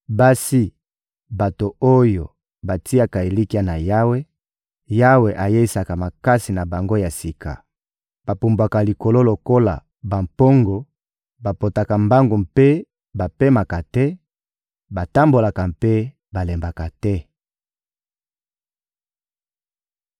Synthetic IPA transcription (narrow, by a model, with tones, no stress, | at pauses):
ba˦si˦ | ba˨to˨o˦jo˨ | ba˨ti˦a˦ka˨e˨li˦ki˦a˦na˨ja˦we˦ | ja˦we˨ʔa˨je˦i˦sa˨ka˨ma˨ka˦si˨na˨ba˨ŋɡo˦ja˨si˨kʰa̰˨ | b̥a˨pu˨mbwa˨ka˨li˨ko˨lo˦lo˨ko˦la̰˨ | ba˨mpo˦ŋɡo˨ | ba˨po˨ta˨ka˨mba˦ŋɡo˨mpe˦ | ba˨pe˦ma˨ka˨tɛ˦ | ba˨ta˦mbo˨la˨ka˨mpe˦ | ba˨le˨mba˨ka˨tɛ˦